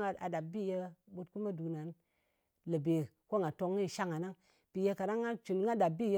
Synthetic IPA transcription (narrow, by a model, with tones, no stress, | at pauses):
a˦a̰˨da˨bi˦˨je˧ɓo˧t̚ku˦ma˦du˨na˨˦n | lə˨be˨ | ko˦ŋɡa˨to˧ŋːi˦˨ʃa˦ŋa˨na˦ŋ | pi˨je˦˧ka˨da˦ŋːa˦t͡ʃu˨n˦ŋɡa˦da˨bi˦˨je˦